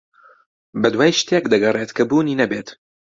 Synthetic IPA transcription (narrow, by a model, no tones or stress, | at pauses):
bɐd̪waːjʃt̪ʰekd̪ɐɡɐreːt̪kʰɐbuːniːnɐbeːt̪